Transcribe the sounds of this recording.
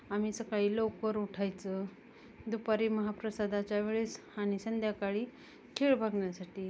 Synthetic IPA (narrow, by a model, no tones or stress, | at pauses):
am̤iːsəkaɦiːlowkəɾuʈʰajt͡sə | d̪upaɾiːməɦapɾəsad̪ʱat͡ɕjaʋeɭeshañisənd̪jakaɭiː | kʰeɭbʱaɡɳjasaʈiː